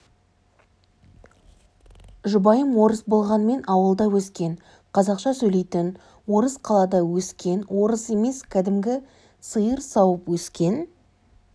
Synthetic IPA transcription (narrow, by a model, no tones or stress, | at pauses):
ʒʊbɑjəmwo̞ɾəsbo̞lˠʁɑnme̞nɑwəlˠd̪ɑwɵskʲe̞n | qʰɑzɑqʃɑsɵjle̞jt̪ɪn | wo̞ɾəzqʰɑlˠɑd̪ɑwɵskʲe̞nwo̞ɾəse̞me̞skʲʰæd̪ɪmɡʲɪ | səjəɾsɑwəpwɵskʲe̞n